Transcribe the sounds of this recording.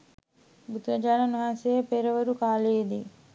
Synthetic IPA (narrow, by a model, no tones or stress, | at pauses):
but̪ɾɐd͡ʒaːnɐniʋaːsejepeːɾɐʋɐɾukaːled̪i